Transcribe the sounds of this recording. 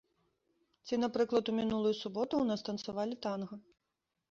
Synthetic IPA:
t͡sʲinapɾɨklˠɐt̪umʲinulˠujusubɔt̪uwnast̪ɐnt̪savalʲit̪anɣɐ

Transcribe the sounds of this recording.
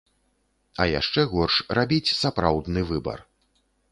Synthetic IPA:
ɐja̰ʂt͡ʂɛɣɔrʂrabʲit͡sʲsapɾawd̪nɨvɨbɐ̰r

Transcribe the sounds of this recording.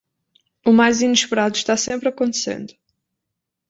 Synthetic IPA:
umajzinɨʃpɨɾaðuʃt̪asẽmpɾɐkõnt̪ɨ̥sḛ̃nd̪ʊ

